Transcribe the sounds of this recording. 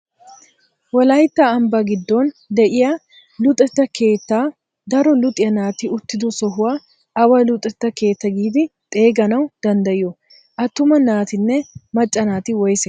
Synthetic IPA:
wɔlɐjt̪ːɐːmbɐɡɪd̪ːɔnd̪ɛʔɪjɐ | lʊt̪ʼɛt̪ːɐkʰe̞ːt̪ːaː | d̪ɐɾɔlʊt̪ʼɪjɐnaːt̪ɪʊt̪ːɪd̪ʊsɔɦʊwa | ʔɐwɐlʊt̪ʼɛt̪ːɐke̞ːt̪ːɐɡiːd̪ɪt̪ʼe̞ːɡɐnɐwd̪̥ɐnd̪ɐjɪjɔ | ʔɐt̪ːʊmɐnaːt̪ɪnːɛmɐt͡ʃʼːɐnaːt̪ɪwɔjsɛ

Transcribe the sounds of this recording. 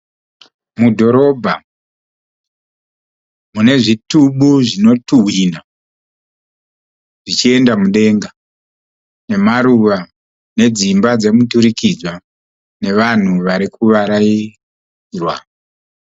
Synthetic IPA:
mudʱo̞ɾo̞bʱa | mune̞ʐituɓuʐino̞tuwina | ʐ̥it͡ʃie̞ndamuɗe̞ŋɡa | ne̞maɾuʋa | ne̞d͡zimbad͡ze̞mutuɾikid͡zwa | ne̞ʋan̤uʋaɾikuʋaɾai | rwa̰

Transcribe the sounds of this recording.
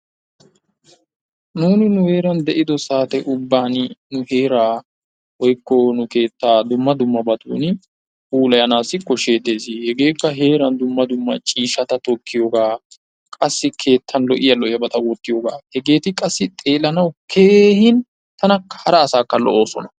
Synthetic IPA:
nuːnɪnʊhe̞ːɾɐnd̪ɛʔɪd̪ɔsaːt̪ɛʔʊbːaːnnʊhe̞ːɾaː | wɔjkːɔnʊke̞ːt̪ːaːd̪ʊmːɐd̪ʊmːɐbɐt̪ṵːn | uːlɐjɐnaːsːɪkːɔʃe̞ːt̪ːe̞ːsɪhɛɡe̞ːkːɐɦe̞ːɾɐnd̪ʊmːɐd̪ʊmːɐt͡ʃʼiːʃɐt̪ɐt̪ɔkːɪjoːɡaː | kʼɐsːɪkʰe̞ːt̪ʰːɐnlɔʔɪjɐlɔʔɪjɐbɐt̪ɐwɔt̪ːɪjoːɡaːhɛɡe̞ːt̪ɪkʼɐsːɪt̪ʼe̞ːlɐnɐwkʰe̞ːhɪn | t̪ɐnɐkːɐ̥hɐɾɐːsaːkːɐlɔ̰ʔoːsɔ̰nɐ

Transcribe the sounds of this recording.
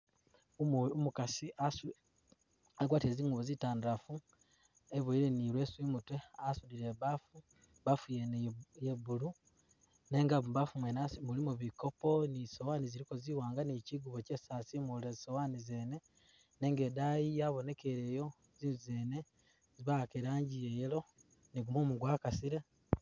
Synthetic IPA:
umukasias | aɡwaːtieziːŋɡuβozitaːndafu | eβoiɾe̞niɾwe̞swimutweasudiɾe̞βafu | βafujenjeβulu | ne̞ːŋɡaβafumwenasmulimuβiko̞po̞nisowaːniziɾikoziwaːŋɡaniciɡuβoce̞sasimulezisowanizene̞ | ne̞ŋɡe̞dajijaβo̞ne̞ke̞ɾe̞ːjo̞ | zizizeːne | ziβakeɾaːɲɟijejelo̞ | niɡumomuɡwaːkasiɾe

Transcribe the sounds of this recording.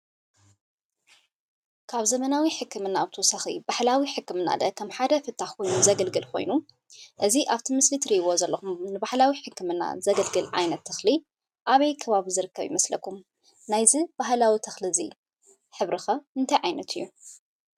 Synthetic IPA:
kʰaβzɐmɐnawiħɨkːɨmɨnːabɨt̪ʰɐwɔsaxḭbaħlawiħɨkːɨmɨnːa̰d̪ɐ̰kʰɐmħad̪ɐfɨt̪ʰːaxko̞jnuzɐɡɐlɡɨlkʰo̞̰jnu | ʔɨziʔaβt̪ʰimɨslit̪ʰɨɾiβo̞zɐlːɐxumnɨbaħlawiħɨkːɨmɨnːa̰zɐɡɐlɡɨlʕa̰jnɐt̪ʰːɐxli | ʔaβɐjkʰɐβaβizɨɾɨkʰːɐβjḭmɐslɐ̰kːum | najzib̥aɦlawit̪ʰɐxlizḭ | ħɨβɾɨxɐɨnt̪ʰajʕajnɐt̪ʰɨjːu

